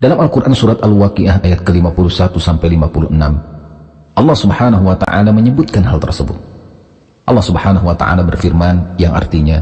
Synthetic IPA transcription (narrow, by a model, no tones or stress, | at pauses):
dalamalkuɾʔansuɾat̪alwakiʔahajat̪̚kəlimapulusat̪usampajlimapuluʔənam | ʔɑlːɑhsubhanaɦuwat̪a̰ʔa̰laməɲəbʊt̪̚kanɦalt̪ərsəbʊ̰t̪̚ | ʔɑlːɑhsubhanaɦuwat̪a̰ʔa̰labərfirmanjaŋʔa̰rt̪iɲa